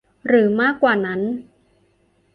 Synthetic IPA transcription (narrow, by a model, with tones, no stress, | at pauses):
ɾɯː˩˦maː˥˩kːwaː˨˩na˦˥n